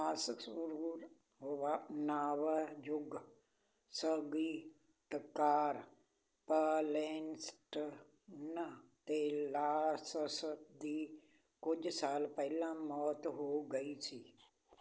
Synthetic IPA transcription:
maːsksəɾuːɾ | ɦoʋanaːʋəjʊɡ | səɡiː | t̪əkaːɾ | pəleːnsʈ | nət̪eːlaːsəsd̪iː | kʊd͡ʒsaːlpəɦɪlãmɔːt̪ɦoːɡəit͡ʃʰiː

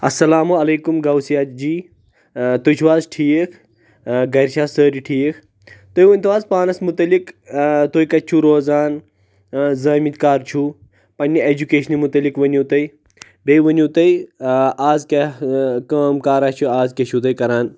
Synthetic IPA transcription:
ɐsːɐlaːmuɐleːkumɡɐwsijaːd͡ʒiː | t̪ojt͡ʃʰuʋaːzʈʰiːkʰ | ɡɐɾʃaːsəːɾiʈʰiːkʰ | t̪ojʋɐnʲt̪uʋaːzpaːnɐsmut̪ɐlikt̪ojikɐt͡ʃʰuɾoːzaːn | zɐːmit̪kaːɾt͡ʃʰu | pɐnʲːɐed͡ʒukeːʃɐnimut̪ɐlikʋɐnjut̪ɐi | bejʋɐnjuːt̪ɐiaːzkekɐːmkaːɾaːt͡ʃʰuaːzkeʃʰut̪ɐjkɐɾaːn

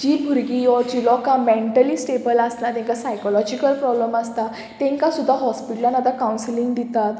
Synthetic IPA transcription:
d͡ʑiːbʱuɾɡijɔd͡ʑilɔkãmeɳʈəliːsʈebəlaslat̪ɛ̃ŋkasajkɔlɔd͡ʑikəlpɾɔbləmast̪a | t̪ɛ̃ŋkasud̪ʱːaɦɔspiʈljãnad̪akawnsilĩŋɡd̪it̪at̪

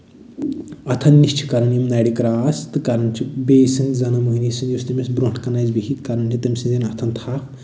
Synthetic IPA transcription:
ɐt̪ʰɐnːiʃt͡ʃʰi̥kɐɾɐnjimnaɽikɾaːst̪ɨkɐɾɐnt͡ʃʰibesɨnzɐnɐmuɦinisɨnjust̪ɐmʲesbɾoɳkɐnazbiɦit̪kɐɾɐnt͡ʃʰit̪ɐmʲsinzinɐt̪ʰɐnt̪ʰaːkʰ

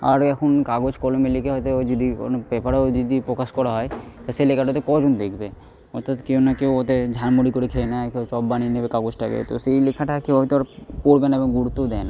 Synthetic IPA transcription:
a̰ɾɛkʰonkaɡod͡ʑkɔlomelikeɦɔjt̪ed͡ʒid̪iko̰npɛpaɾad͡ʒɔd̪ipɾokaʃkɔɾaɦɔet̪aselekʰaʈɔjt̪ekɔd͡ʑond̪ekʰbe | ɔɾt̪ʰːat̪kewnakewot̪ed͡ʑʱanmoɽikoɾekʰenakewt͡ʃɔbbaninebekaɡod͡ʑʈakḛt̪o̰sejlekʰaʈakeɦit̪oaɾpoɽbenaeboŋɡuɾut̪ːod̪ɛna

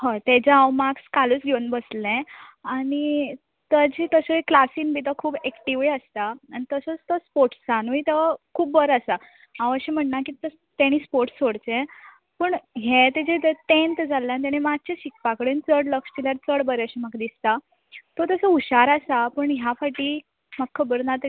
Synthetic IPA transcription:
hə̃t̪ed͡ʑaãwmakskaluːt͡sɡʱewunbəslẽaɽ̃i | t̪əd͡ʑit̪əsəeklasiːnbʱit̪əkʰuːbekʈiʋiəst̪aːñit̪əsət͡st̪əspoɾʈsd͡zanuit̪əakʰuːpbəɾasa | ãʋəɕem̤əɳnakiːt̪ə | t̪aɽ̃iːspoɾʈsːoɽt͡sẽ | pəːɳɦet̪ed͡ʑet̪t̪ẽnt̪əd͡zalːant̪̬aɽ̃emat͡ɕeɕik̚pakəɽent͡səɽləkst͡ɕiljaɾt͡səɽbəɾeaɕimaɡd̪ist̪a | t̪ɔt̪əsəuɕaɾasapəɳɦjafaʈiː | maɡkʰːəbəɾnat̪

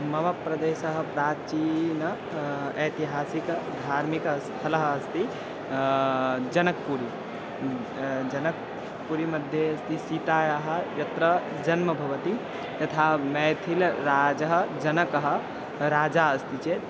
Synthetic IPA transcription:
mɐʋəpɾɐd̪eːsəɦpɾat͡ʃin | ɐjt̪iɦasikd̪ʱaɾmikəst̪ʰələɦːst̪ʰi | d͡ʒɐnək̚puɾi | d͡ʒənək̚ | puɾimɐd̪ʱjeɐst̪isit̪ajəɦə̆jɐt̪ɾə | d͡ʒɐnməbʱɐʋət̪i | t̪ɐt̪ʰamɛt̪ʰilɾad͡ʒəɦd͡ʒənəkəɦ | ɾaːd͡ʒaəst̪ʰit͡ʃe

